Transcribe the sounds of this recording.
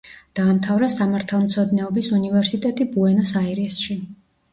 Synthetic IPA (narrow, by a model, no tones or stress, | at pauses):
d̪̥aːmt̪ʰavɾasamaɾt̪ʰalˠmt̪sʰɔd̪nɛɔbisunivɛɾsit̪ʼɛt̪ʼibuɛnɔsaɛɾɛsʃi